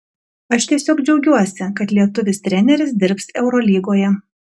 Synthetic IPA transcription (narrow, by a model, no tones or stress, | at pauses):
ɐʃt̪ʲiɛsʲoːkd͡ʒʲɛʊɡʲuɔsʲɪkɐt̪lʲiɛt̪ʊʋʲɪsʲt̪ʲɾʲɛnʲɛɾʲɪs̬d̪ʲɪɾʲpsɛʊɾɔːlʲiːɡoːjɛ